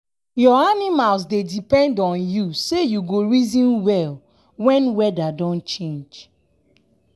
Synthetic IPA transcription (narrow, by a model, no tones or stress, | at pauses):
jɔanimalz̬dedipɛ̃ndɔ̃njusejuɡoɹizĩnwɛl | wɛ̃nwɛdadɔ̃nt͡ʃẽnd͡ʒ